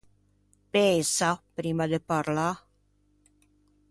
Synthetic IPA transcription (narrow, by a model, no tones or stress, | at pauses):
pɛsapɾiːmad̪epaɾla